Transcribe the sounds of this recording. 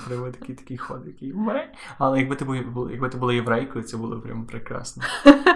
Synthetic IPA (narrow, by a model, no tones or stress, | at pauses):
pɾɪʋɔt̪ɐkʲit̪ɐ̥kʲijxɔd̪jɐkʲijmɛ | ɐlˠɛjɐɡ̚bɪt̪ɪbʊjbl̰ˠjɐɡbɪt̪ɪbʊlˠɔjeʋɾɛjkɔjit̪sɛbʊlˠɔpɾʲa̰mɔpɾekɾɑ̰snɔ